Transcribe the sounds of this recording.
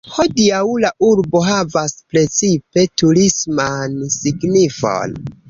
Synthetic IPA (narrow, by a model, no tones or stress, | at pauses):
ho̞diawlaʔuɾbo̞ɦavaspɾe̞t͡sipe̞tuɾismansiɡnifo̞̰n